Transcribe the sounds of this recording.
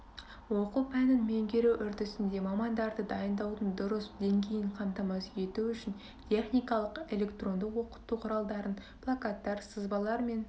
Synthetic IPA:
wo̞qupʰænɪnme̞ŋɡʲe̞ɾewʔʏɾd̪ɪsɪnd̪e̞mɑmɑnd̪ɑɾd̪əd̪ɑjənd̪ɑwd̪ənd̪ʊɾəsd̪e̞ŋɡʲe̞jɪɴqʰɑmt̪ɑmɑsje̞t̪uʏʃɪn | t̪ʲʰe̞χnijkɑlˠəqe̞lʲe̞kt̪ro̞nd̪əqwo̞qə̥t̪ːuqʰʊɾɑlˠd̪ɑɾənplˠakɑt̪ːɑɾsəzbɑlˠɑɾme̞n

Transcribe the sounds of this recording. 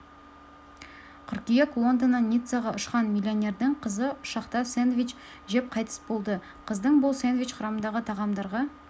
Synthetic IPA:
t̪ʰʏɾkʲijɑkʰlˠond̪ənɑnʲijt̪sɑʁɑʊʃqɑnmʲilʲionʲe̞ɾd̪ɪɴqʰəzəʊʃɑqt̪ɑsenvʲit͡ʃ | ʒe̞p̚qʰɑjt̪ə̥sbolˠd̪ə | qʰəzd̪əɴbʊlˠsenvʲijt͡ʃqʰʊɾɑmənd̪ɑʁət̪ʰɑʁɑmd̪ɑɾʁɑ

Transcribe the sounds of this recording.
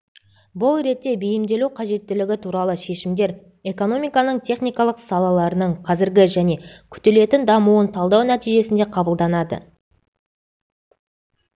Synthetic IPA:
bʊlˠɾe̞t̪ːe̞bejɪmd̪e̞luwqʰɑʒe̞t̪ːɪlɪɡʲɪt̪ʰuɾɑlˠəʃe̞ʃɪmd̪e̞ɾ | e̞ko̞no̞mijkɑnəɴt̪ʲʰe̞χnijkɑlˠəqsɑlˠɑlˠɑɾənəɴqʰɑzɪɾɡʲɪʒæne̞kʲʰʏ̥t̪ele̞t̪ɪnd̪ɑmuənt̪ʰɑlˠd̪ɑwnæt̪ijʒe̞sɪnd̪e̞qʰɑbəlˠd̪ɑnɑd̪ə̰

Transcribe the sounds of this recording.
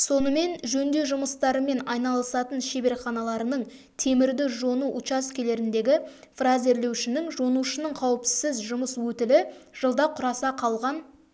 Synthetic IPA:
so̞nəme̞nʒɵnd̪e̞ʒʊməst̪ɑɾəme̞nɑjnɑlˠəsɑt̪ənʃe̞be̞ɾχɑnɑlˠɑɾənəɴ | t̪ʰe̞mɪɾd̪ɪʒo̞nuʔʊt͡ʃɑskʲʰe̞le̞ɾɪnd̪e̞ɡʲɪ | fraze̞ɾle̞wʃɪnɪŋʒonuʃənəɴqʰɑwəpsɪzʒʊməswɵt̪ɪlɪʒ̥əlˠd̪ɑqʰʊɾɑsɑqʰɑlˠʁɑn

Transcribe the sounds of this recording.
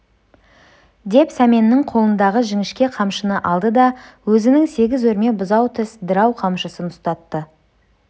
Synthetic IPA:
d̪e̞psæme̞nːɪŋqʰo̞lˠənd̪ɑʁəʒɪŋɪʃkʲe̞qʰɑmʃənəʔɑlˠd̪əd̪ɑwɵzɪnɪŋse̞ɡʲɪzwɵɾme̞bʊzɑwt̪ʰɪsd̪əɾɑwqʰɑmʃəsənʊst̪ɑt̪ːə

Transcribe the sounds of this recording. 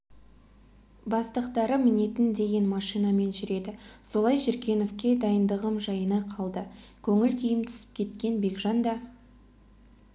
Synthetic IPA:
bɑst̪əqt̪ɑɾəmɪne̞t̪ɪnd̪e̞ɡʲe̞nmɑʃijnɑme̞nʒʏɾe̞d̪ɪso̞lˠɑjʒɪɾkʲe̞no̞fkʲe̞d̪ɑjənd̪əʁəmʒɑjənɑqʰɑlˠd̪əkʲʰɵŋɪlkʲʰijɪmt̪ʰʏ̥sɪ̥p̚kʲʰe̞t̪̚kʲe̞nbe̞ɡʒɑnd̪ɑ

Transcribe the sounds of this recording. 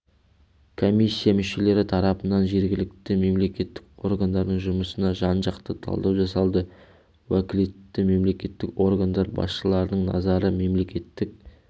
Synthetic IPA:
kʰo̞mijsʲːijamʏʃe̞le̞ɾɪt̪ʰɑɾɑpənɑnʒe̞ɾɡʲɪlɪk̚t̪ɪme̞mle̞kʲe̞t̪ːɪko̞ɾɡand̪ɑɾd̪əɴʒʊməsənɑʒɑnʒɑqt̪ət̪ʰɑ̰lˠd̪ɑwʒɑsɑlˠd̪ə | wækʲɪlet̪ːɪme̞mle̞kʲe̞t̪ːɪko̞rɡand̪ɑɾbɑ̰sʃəlˠɑɾd̪əɴnɑ̰zɑɾəme̞mle̞kʲe̞t̪ːɪk̚

